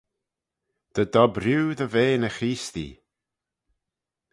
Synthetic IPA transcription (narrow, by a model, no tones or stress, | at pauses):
d̪̥əd̪ɔbɾjuːðəveːnəxiːst̪ḭ